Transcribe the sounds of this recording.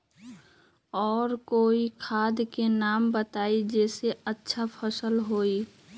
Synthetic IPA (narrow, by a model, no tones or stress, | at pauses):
ɔːɾkoːikʰaːd̪kenaːmbət̪aːid͡ʒɛːseətːʃʰapʰəsəlɦoːi